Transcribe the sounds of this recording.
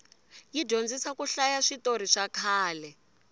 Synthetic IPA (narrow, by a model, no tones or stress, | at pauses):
jiɟond͡zisakuɬajaʂitoɾiʂakʰaːlɛ